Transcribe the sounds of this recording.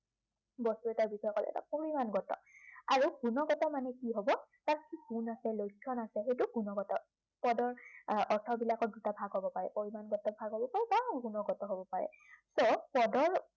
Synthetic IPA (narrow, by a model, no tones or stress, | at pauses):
bɔstuɛtaɹbixɔjɔkɔlɛ̰ɛ̰ta̰poɹimanɡɔtɔ̰aɹuɡunɔɡɔtɔmanɛkiɦobɔtaɹkisiɡunasɛlojkʰːɔnasɛxejtuɡunɔɡɔtɔ | pɔdɔɹɔɹtʰɔbilakɔt̚dutabʱaɡɦobɔpaɹɛpoɹimanɡɔtɔbʱaɡɦobɔpaɹɛbaɡunɔɡɔtɔɦobɔpaɹɛ̰ | sopɔdɔɹ